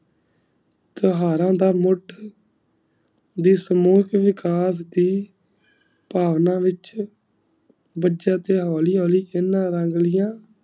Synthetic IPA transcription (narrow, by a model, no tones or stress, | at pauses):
t̪əɦaːɾãːd̪aːmʊʈʰ | d̪iːsəmuːkʰʋɪkaːs̬d̪iː | paːʋnãːʋɪt͡ʃ | bəd͡ʒãːt̪eːɦoːliːɦoːliːʔɪnːãːɾəŋɡlɪjãː